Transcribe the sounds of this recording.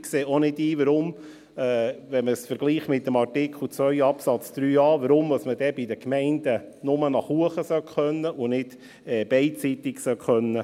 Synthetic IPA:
kseːonɪdiːʋəɾʊm | ɛːʋɛnməsfəɾɡ̥liːχmɪt̪ːəmɑrtɪkχl̩t͡sʋœʏɑpsɑt͡sd̪̥ɾyːɑːʋəɾʊmdɑsməd̥̪ɛbɪd̪əkmɛɪnd̥̪ənʊmənɑχhuəχəsœkχœnːəʔʊnɪd | ɛːb̥ɛɪtt͡sit̪ɪksœkχœnːə

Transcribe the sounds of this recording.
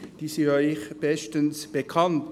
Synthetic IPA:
d̥iːsiɔɪçb̥ɛstənsb̥ekʰɑnt

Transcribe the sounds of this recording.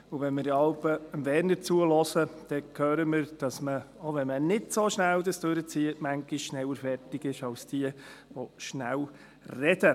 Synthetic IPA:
ʊʋɛnməɾdɑlpəəmvɛndət͡suəlɔsəd̥ɛkʰøːɾəmɪɾd̥ɑsməoʋɛnmənɪdsoʃnældəsd̥øɾət͡siətmæŋɡɪʃʃnɛwəɾfɛrtɪɡɪʃɑlsd̥iəʋoʃnæl | rɛd̥ə

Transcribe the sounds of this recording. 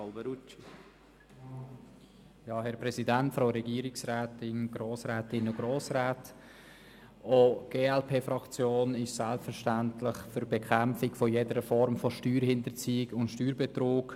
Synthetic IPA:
ɑlbəɾut͡ʃi | jɑːhɛɾpɾɛsidæntfɾaʊɾɛɡiːɾɪksɾaːtɪnɡ̥ɾoːsɾaːtɪnʊɡ̥ɾoːsɾaːt | oɡ̥eːɛlpʰeːfɾɑkt͡sjoːnɪʃsælpfəɾʃtæntlɪχfʏɾbɛkʰæmfɪkfɔjedəɾəfɔɾmfɔʃtyːɾhɪnt̪əɾt͡siːɪɡʊntʃtyːɾbɛt̪ɾoːk

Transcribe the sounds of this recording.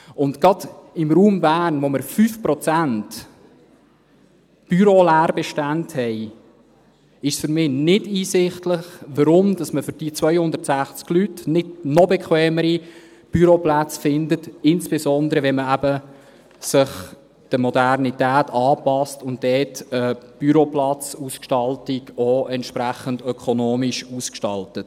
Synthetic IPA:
ʊntɡ̥ɑd̥ɪmɾuːmbæːrnʋoməɾfyfpɾɔt͡sænt | b̥yɾolæːrbɛʃtænthɛj | ɪʃsfʏɾmɪːnɪdiːsɪχtləχʋəɾʊmd̥ɑsməfʏɾd̥iːt͡sʋœjhʊndəɾtsæχt͡sklytnɪdnɔbɛkʰχʋɛːməɾi | b̥yɾoplæt͡sfɪndətɪnsb̥esɔnd̪əɾəʋɛnməæbə | sɪχ | d̥əmɔdærnitæːtɑːpɑstʊnt̚dɛːtəb̥yɾoplɑt͡suskʃtɑltiɡoʔɛnt̪ʃpɾæχəndœkʰonoːmiʃuːskʃtɑ̰ltət

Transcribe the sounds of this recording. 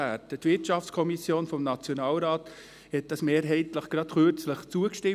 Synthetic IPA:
ætətʋɪɾtʃɑft͡skʰɔmisjoːnfɔmnɑt͡sjonɑːlɾɑːt | hɛt̚d̥ɑsmeːɾɦɛɪtləχɡ̥ɾɑt̪χøɾt͡sləχt͡suəkʃtɪ

